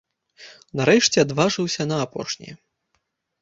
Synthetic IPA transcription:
naɾɛʂt͡sʲɛad̪vaʐɨwsʲɐnɐːpɔ̰ʂnʲḭ

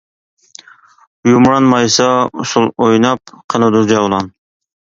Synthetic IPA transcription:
jumɾɑnmɑjsɑʊsʊlˠojnɑp̚qʰɑnɨd̪uɾd͡ʒɑwlˠɑn

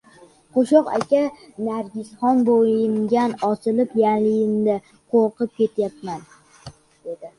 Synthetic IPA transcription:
qoʃɒqa̰kʲanaɾɡʲɪsχɒnboɪŋɡʲanɒsɪlɪpjalɪjɪmd̪a | qʰoɾqɨp̚kʲe̞t̪ʰjapman | d̪̥e̞d̪ɪ

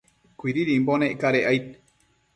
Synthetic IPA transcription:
kʷiɾiɾimboneʔkaɾeʔajt̪̚

